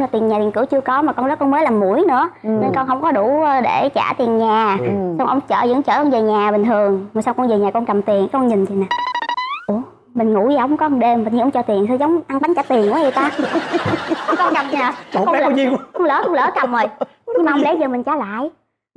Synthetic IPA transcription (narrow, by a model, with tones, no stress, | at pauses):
laː˨˩t̪i˨˩nɲaː˨˩ɗi˨˩nkɨ˧˩wt͡ɕɨ˧əkɔ˨˦maː˨˩kɔ˧nzɔ˦˥kɔ˧nməː˨˦laː˨˩mːu˧˩əjnɨ̰˧˥əne˧nkɔ˧nɦə˧wŋ͡mkɔ˨˦ɗu˧˩˧ɗe˧˩t͡ɕa̰ː˧˩t̪i˨˩ənɲaː˨˩sa˧wŋ͡mʔə˧wŋ͡mt͡ɕə̰ː˧˩zɨ̰˧˥˦ŋt͡ɕəː˧˩kɔ˧nzəː˨˩ɲaː˨˩ɓï˨˩t̪ʰɨ˨˩əŋma˨˩sa˧wŋ͡mkɔ˧nzəː˨˩ɲaː˨˩kɔ˧nkə˨˩mt̪i˨˩ən˦kɔ˧nɲi˨˩ŋ̟zi˨˩naː˨˩ | u˧˩ | mï˨˩ŋ̟ŋṵ˧˥jaː˧˩ʔə˧˦ŋ͡mkɔ˨˦˧ɗe˧mː˨˩ɲi˧ʔŋ͡mt͡ɕɔ˧t̪i˨˩ənsa˧wzə˨˦wŋ͡mʔa˧ŋɓa˨˦ŋ̟t͡ɕa˧˩t̪i˨˩ənʔu˧˨˦ɲə˨˩t̪aː˧˨˦ | kɔ˧nka˨˩mː˨˩˧li˧xə˧wŋ͡mlə̰ː˧˦xə˧wŋ͡mlə̰ː˧˦kə˨˩mʔə˨˩jɲ˧ŋmaː˨˩˧ŋ͡mlə˨˦jzəː˨˩mï˨˩ŋ̟t͡ɕaː˧˩˦la̰ː˧˨j